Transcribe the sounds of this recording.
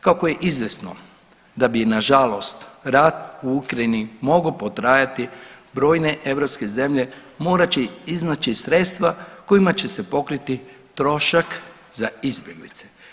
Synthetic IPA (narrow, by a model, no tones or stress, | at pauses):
kako̞je̞ʔizʋjesno̞ | d̪abinaʒalo̞st̪ɾat̪uukɾajinimo̞ɡopo̞t̪ɾaːjat̪ibɾo̞ːjne̞ʔe̞ʋɾo̞pske̞ze̞mʎe̞mo̞ːɾat͡ʃɛiznat͡ʃisɾe̞t̪st̪ʋako̞imat͡ɕe̞se̞po̞kɾit̪i | t̪ɾo̞ʃak | zaizbʲje̞ɡlḭt̪se̥